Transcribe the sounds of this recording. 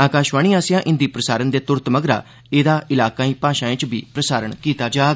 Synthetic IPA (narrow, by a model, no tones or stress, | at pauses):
aːkaːʃʋaːɳ̃iːãːsɪjãːʔɪnd̪iːpɾəsaːɾənd̪eːt̪ʊɾt̪məɡɾa̰ː | eːd̪aːʔɪlaːkaːĩːpaːʃãːẽːt͡ʃbiːpɾəsaːɾəɳkiːt̪aːd͡ʒaːɡ